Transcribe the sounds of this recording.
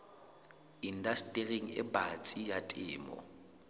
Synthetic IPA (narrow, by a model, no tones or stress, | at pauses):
in̩dastʼereŋ̩ɪ̰bat͡sʼijatʼɪ̰ːmɔ̰